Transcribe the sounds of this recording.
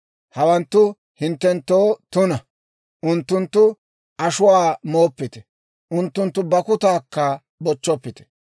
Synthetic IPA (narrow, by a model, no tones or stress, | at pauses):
hɐwɐnt̪ːʊ | hɪnt̪ːɛnt̪ːoːt̪ʊnɐ | ʔʊnt̪ːʊnt̪ːʊ | ʔɐʃʊwaːmo̞ːpːɪt̪ɛ̥ | ʔʊnt̪ːʊnt̪ːʊbɐkʊt̪aːkːɐ | bɔt͡ʃːɔpːɪt̪ɛ̥